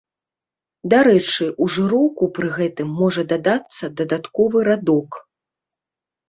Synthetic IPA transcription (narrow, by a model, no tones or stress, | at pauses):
d̪aɾɛt͡ʂɨʔuʐɨɾɔwkupɾɨɣɛt̪ɨmːɔʐɐd̪ad̪at̪sːɐd̪ɐd̪at̪kɔvɨɾad̪ɔk